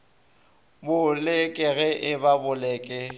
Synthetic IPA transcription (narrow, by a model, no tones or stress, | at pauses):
bʊlɪkʼɪɣɛʔɪbabʊlɛːkʼɪ